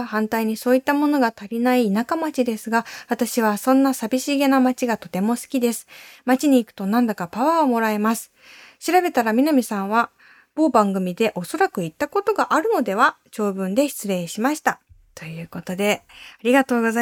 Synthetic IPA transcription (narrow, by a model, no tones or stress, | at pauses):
hãnt̪aiɲ̟iso̞ːit̪ːamo̞no̞ɡat̪aɾʲinaiːnakamat͡ɕid̪e̞sɨɡaβat̪aɕiβ̞asõ̞nːasabʲiɕiɡe̞namat͡ɕiɡat̪o̞t̪e̞mo̞sɨ̥kʲid̪e̞sɨ̥mat͡ɕiɲ̟iːkɯ̟̥t̪o̞nãnd̪akapaβaomo̞ɾae̞masɨ̥ | ɕiɾabe̞t̪aɾamʲinamʲisãɰ̃β̞a | b̥o̞ːbãŋɡɯ̟mʲid̪e̞ʔo̞so̞ɾakɯ̟it̪ːako̞t̪o̞ɡaʔaɾɯ̟no̞d̪e̞β̞at͡ɕo̞ːbɯ̟̃nd̪e̞çi̥t͡sɨɾe̞ːɕimaɕi̥t̪at̪o̞jɯ̟ːko̞t̪o̞d̪e̞aɾʲiɡat̪o̞ːɡo̞za